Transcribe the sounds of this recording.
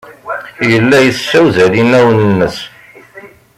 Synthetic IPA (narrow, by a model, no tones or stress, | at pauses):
jəlːæjəθːæwðælinæwənənːəs